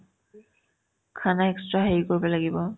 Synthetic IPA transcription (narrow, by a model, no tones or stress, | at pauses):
kʰanaɛkstɹaɦeɹkoɹibɔlaɡibɔ